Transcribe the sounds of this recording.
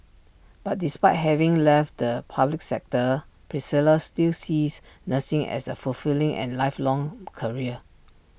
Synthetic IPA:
b̥at̚dispaɪt̚ɦɛvĩŋlɛft̚dəpʰablik̚sɛk̚tə | pʰɹisiləstilsisnəsɪ̃ŋɛ̰səfulfilĩŋʔɛ̰̃nlaɪflɔ̃ŋkʰəɹiə

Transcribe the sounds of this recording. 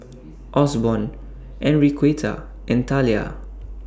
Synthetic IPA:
ʔɔsbɔ̃n | ʔɛ̃nɹikʰwetʰa̰ | ʔɛ̃ntʰalia̰

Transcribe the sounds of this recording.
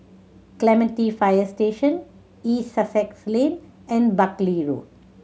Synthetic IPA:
klɛmɛ̃ɳʈifaɪəɾsʈeːʃə̃n | iːsɐsekslẽːn | ɛ̃ɳɖbɐkliɾṵːʈ̚

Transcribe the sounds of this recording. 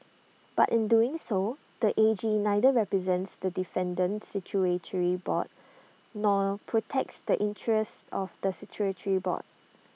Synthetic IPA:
b̥a̰tʔɪ̃nduɪ̃ŋso | d̥əʔed͡ʒinajdəɹɛpɹizɛ̃ntsdədifɛ̃ndə̃nsit͡ʃʰuetʰəɹibɔ̰t̚ | nɔpʰɹotʰɛk̚tsdəʔɪ̃ntʰɹɛstɔfdəsɛkʰjuɹətʰəɹibɔ̰t̚

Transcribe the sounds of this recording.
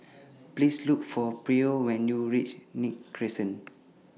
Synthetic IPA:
plisluk̚fɔpɹiowɛ̃njuɹit͡ʃnik̚kɹisə̃n

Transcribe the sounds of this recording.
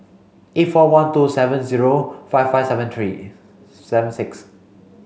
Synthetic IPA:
ʔetfɔwãntusɛvə̃nziɹofaɪffaɪsɛvə̃nt̪ʰɹḭ | sɛvə̃nsɪks

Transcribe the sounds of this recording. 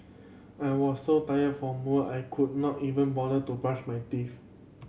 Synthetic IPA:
ajwɔsːotajədfɔmuʔajkʰud̚nɔtivə̃nbɔdətubɹat͡ʃmajtif

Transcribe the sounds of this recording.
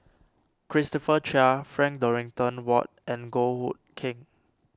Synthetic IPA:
kʰɹistɔfət͡ʃafɹɛ̃ŋk̚dɔɹĩŋtə̃nwɔt̚ɛ̃nɡohut̚kʰɪ̃ŋ

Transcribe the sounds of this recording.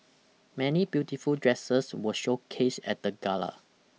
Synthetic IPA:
mɛnibjutifuldɹɛsəswəʃokʰesɛ̰t̚dəɡalə̰

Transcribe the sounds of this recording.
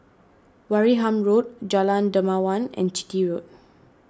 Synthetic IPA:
waɹiɦãmɹot̚d͡ʒalãndəmawãnɛ̰̃nt͡ʃi̥tiɹot̚

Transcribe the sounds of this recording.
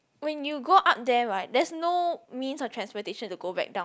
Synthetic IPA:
wɛ̃njuɡoʔap̚dɛɹaɪt̚dɛsnomĩnsɔftʰɹɛ̃nspɔteʃə̃ntuɡobɛ̰k̚dãʊ̃

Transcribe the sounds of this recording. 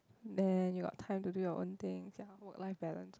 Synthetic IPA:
dɛ̃njuɡɔ̰tʰːãɪ̃mtudujɔʔõ̰nt̪ɪ̃ŋsjawək̚laɪfbɛtə̰̃ns

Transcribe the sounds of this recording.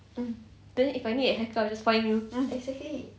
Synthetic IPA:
d̥ɛ̃nifajnidɛɦɛkəawd͡ʒasfãɪ̃njuɛksɛkli

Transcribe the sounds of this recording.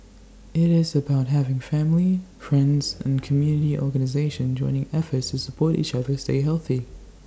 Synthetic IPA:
ɪɾɪzɨbaʊt̚ɦævɪ̃ŋfæ̃mlifɹɛ̃ndz̥ɨ̰̃nkʰəmjʉnɨɾiʔɔ̰ɹɡɨnɨzeɪʃɨ̃nd͡ʒɔ̃ɪ̃nɪ̃ŋɛfə˞tstʰɨsəpʰɔɹɾḭt͡ʃʌðə˞steɪɦɛlˠθi

